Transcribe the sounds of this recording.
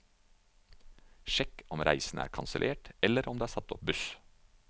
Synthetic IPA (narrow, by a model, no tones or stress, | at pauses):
ʃɛkɔmɾʔæ̰ɪsn̩æ̰ːɾkʰɑnsəlʔeːʈɛləɾʔɔmd̪eːæːsɑt̪ɔp̚bʉs